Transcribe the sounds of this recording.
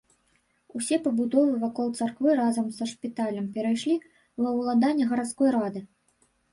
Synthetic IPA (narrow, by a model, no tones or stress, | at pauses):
usʲɛpɐbud̪ɔvɨvakɔlˠt̪sarkvɨɾazɐmsɐʂpʲit̪alʲɐmpʲɛɾajʂlʲi | vɐwlˠad̪anʲːɐɣɐɾat̪skɔjɾad̪ɨ